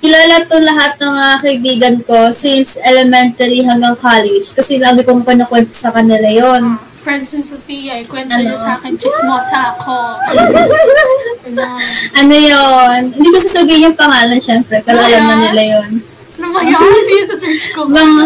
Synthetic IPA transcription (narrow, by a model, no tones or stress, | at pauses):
ʔɪlaːlɐt̪̚koŋlɐɦat̪̚nɐmɐakɐʔɪbiːɡɐnko̞sinsʔɛlɛmɛnt̪ɐɾiɦɐŋɡɐŋkalɛd͡ʒkɐsɛlaːɡɪkoŋkwɐnɐkwɛnt̪osɐkɐnɪlajon | fɹɛnd̪sɛsʊpijɐkwɛnɐnosaːkɛnt͡ʃɪsmosako | ʔɐnojonhɪnd̪iːkosɐsɐɡɪɲʊŋpɐŋaːlɐnʃɛmpɾɛpɛːɾoʔɐjɐmnɐnɪlajon | nɐmɐt̪jɐsɐsɛt͡ʃkomɐŋa